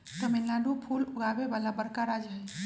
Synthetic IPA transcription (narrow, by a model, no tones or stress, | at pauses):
t̪əmenlaɖupʰuːlʊɡaːʋeʋaːlabəɾkaɾad͡ʒɦɛ